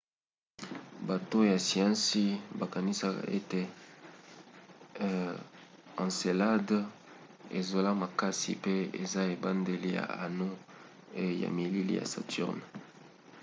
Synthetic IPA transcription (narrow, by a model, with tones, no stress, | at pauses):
ba˨to˦ja˨si˨ɑ̃˦nsi˦ba˨ka˨ni˦sa˦ka̰˨ʔe˦te˨ | ã˨nse˨la˦d | ḛ˨zo˨la˦ma˨ka˦sḭ˨pe˦ḛ˨za˦e˨ba˦nde˨li˦ja̰˨a˨no˦ | ja̰˨mi˨li˦lḭ˦ja̰˨sa̰˨tʰṵ˦ʁn˨